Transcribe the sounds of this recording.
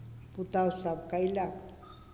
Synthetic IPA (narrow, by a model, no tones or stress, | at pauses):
put̪awsapkajlak